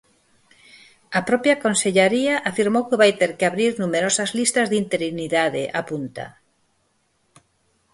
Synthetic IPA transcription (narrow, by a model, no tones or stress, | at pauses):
apɾɔpjakonseʎaɾiaʔafiɾmowkɪβajt̪eɾkɪaβɾiɾnumeɾɔsɐzlist̪ɐzðint̪eɾiniðaðɪ̰ʔapunt̪a̰